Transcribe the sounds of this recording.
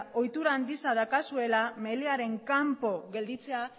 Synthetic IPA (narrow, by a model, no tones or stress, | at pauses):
o̞jt̪uɾand̪isaðakasue̞lame̞leaɾe̞ŋkampo̞ɣe̞ld̪it͡se̞a